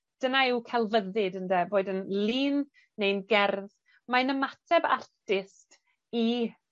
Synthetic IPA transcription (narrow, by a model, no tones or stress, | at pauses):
d̥ənaɪwkʰɛlˠvəðɪdəndɛboːdənliːnː | ejnɡɛrð | majnəmatʰɛba̰rtɪst | i